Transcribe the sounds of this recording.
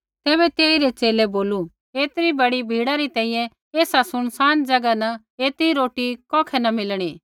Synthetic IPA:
t̪ɛːbɛt̪eːiɾet͡ʃeːlɛboːlu | eːt̪ɾibɐɽibʱiːɽaɾit̪ɛ̃ːĩːjɛ̃ | eːsasʊɽ̃saːnd͡ʒɐɡanɐ | eːt̪ɾiɾoːʈikɔːkʰɛnɐmɪlɽ̃iː

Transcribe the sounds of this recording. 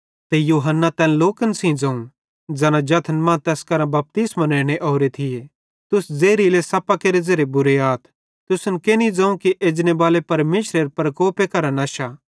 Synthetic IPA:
t̪ejuːɦənːat̪ɛːnloːkənsĩd͡zɐ̃ːũ | d͡zɛːnãd͡ʒɐt̪ʰənmãːt̪ɛːskɐɾãbɐp̚t̪ismaneːɽ̃eʔoːɾet̪ʰɪje | t̪ʊsd͡zeːɾilesɐpakeːɾezɐɾebʊɾeaːt̪ʰ | t̪ʊsʊnkeːnid͡zãːũkiʔeːd͡ʒnebaːlepɐɾmeːʃɾeɾpɾɐkoːpekɐɾənɐːʃaː

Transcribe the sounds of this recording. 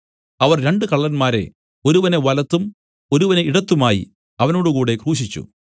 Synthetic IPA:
ɐʋɐrɾe̞ɳɖɨkɐɭːɐnmaːɾe̞̰ | o̞ɾuʋɐne̞ʋɐlɐt̪ːum | o̞ɾuʋɐneiɽɐt̪ːumaːjḭ | ɐʋɐno̞ːɽukuːɽe̞kruːɕit͡ɕːṵ

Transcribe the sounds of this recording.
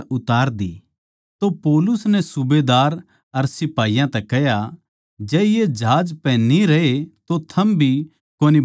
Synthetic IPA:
ʊt̪aːɾd̪i | t̪opɔːlʊsnɛsʊbeːd̪aːɾ | ɐɾsɪpaːijãt̪ɛkɛɦja | d͡ʒɛːjed͡ʒaːd͡ʒpɛ̃nĩɾɐet̪ot̪ʰɐmbʱi | koːni

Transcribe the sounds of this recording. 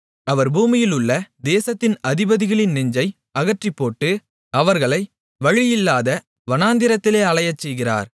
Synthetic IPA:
ɐʋɐɾbuːmɪjɪlɯɭːɐd̪eːsɐt̪ːɪnɐðɪbɐðɪɣɐɭɪnnɪɲd͡ʒɐɪ | ɐɣɐʈrɪpːoːʈːɯ | ɐʋɐɾɣɐɭɐɪ | ʋɐɻɪjɪlːaːðɐ | ʋɐnaːnd̪ɪɾɐt̪ːɪleːɐɭɐjɐt͡ʃːɛjɣɪra̰ːɾ

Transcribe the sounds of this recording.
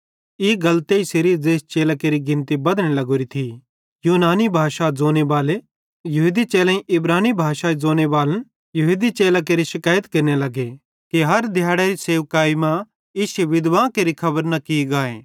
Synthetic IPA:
iɡɐlt̪eiseɾid͡zeːst͡ʃeːlakeːɾiɡɪ̃nt̪ibɐd̪ɽ̃ẽlɐɡoːɾit̪ʰi | juːnaːnibʱaːʃad͡zoːnebaːle | jɐɦuːd̪it͡ʃeːlãĩʔɪbɾaːnibʱaːʃaizoːñebaːlən | jɐɦud̪it͡ʃeːlak̬eːɾiʃɪkaːjət̪kɐɾnelɐɡe | kiɦɐɾd̪ʱjaːɽaɾiseːʋkaːimã | ɪseʋɪd̪ʋãːkeːɾikʰɐbəɾnakiɡaːḛ̃ː

